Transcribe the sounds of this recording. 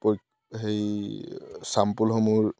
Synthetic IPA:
pɔjk̚ | ɦej | sampulɦɔmuɹ

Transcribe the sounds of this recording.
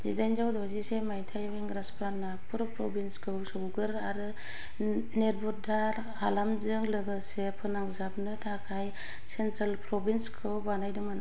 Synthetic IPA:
zidajnzawdɔzisemajtʰajwiŋɡɾasplanapʰɯɾpɾɔbinskʰɯwsɯwɡɯɾaɾɯ | neɾbuɾdʱaɾ | halamzɯŋlɯɡɯsepʰɯnaŋzap̚nɯtʰakʰaj | sentɾalpɾɔbinskʰɯwbanajdɯmɯna

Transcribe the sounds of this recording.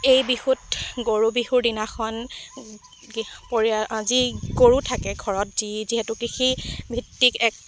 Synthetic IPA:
ejbixutɡoɹubixuɹdinaxɔn | poɹiaziɡoɹutʰakɛɡʱɔɹɔtz̥iziɦɛtukixibʱitːikɛk̚

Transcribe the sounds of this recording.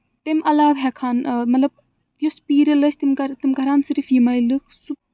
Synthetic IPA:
t̪imʔɐlaːʋɦɛkʰaːnmɐt̪lɐb̪̚ | jospiːɾɐlɐt͡ʃʰt̪imkɐɾt̪imɡʱɐɾaːnsiɾifjimɐjlɨkʰsup̚

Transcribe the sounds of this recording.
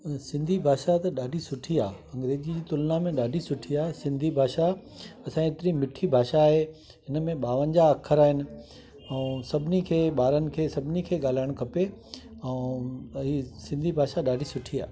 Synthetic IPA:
sɪ̃nd̪ʱibʱaːʃat̪ɐɗaːɖʱisʊʈʰiaːɐ̃ŋɡɾeːd͡ʑid͡ʑiːt̪ʊlnamẽɗaːɖʱisʊʈʰiaːesɪ̃nd̪ʱibʱaːʃa | ɐsãet̪ɪɾimɪʈʰibʱaːʃaːɦe | ɦɪnəmẽɓaːʋənɪd͡ʑaɐkʰːəɾaːɦɪnɪ̆ | ɛ̃ːsɐbʱɪnikʰeːɓaːɾənɪ̆kʰeːsɐbʱɪnikʰeːɠaːl̤aːɪɽ̃kʰɐpeɛ̃ːɦisɪ̃nd̪ʱibʱaːʃaɗaːɖʱisʊʈʰiaːɦe

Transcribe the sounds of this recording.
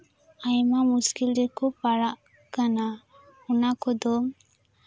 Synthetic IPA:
ajmamuskildɛkɔpaɽaʔ | kana | ɔnakɔd̪ɔ

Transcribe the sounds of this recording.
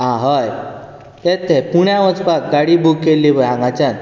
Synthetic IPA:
ãɦəj | t̪et̪ʰepuɳjãʋət͡spak̚ɡaɽibukːelːibəãŋɡãt͡ɕan

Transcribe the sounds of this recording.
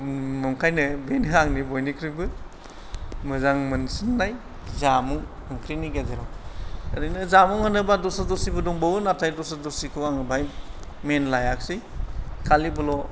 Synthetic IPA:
mɔŋkʰajnɯbenɦaŋnibɔjnikʰɾibɯ | mɯzaŋmɯnsɯnːaj | zamuŋ | ɯŋkʰɾiniɡazeɾɔwaɾɯnɯzamɔŋhɯnɯbadɔsadɔsibɯdɔŋbɔwɯnatʰajdɔsadɔsikʰɯwaŋɯbajmenlajaksijkʰalibɯlɔ

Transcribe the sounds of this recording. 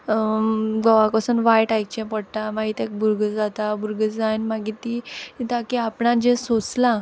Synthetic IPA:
ɡəʋakəsunʋajʈajkt͡ɕɛ̃pəɽt̪amaɡit̪ɛ̃k̚bʱuɾɡət͡sd͡zat̪abuɾɡət͡sd͡zajnmaɡit̪iit̪akiapɳãd͡ʑesot͡sla

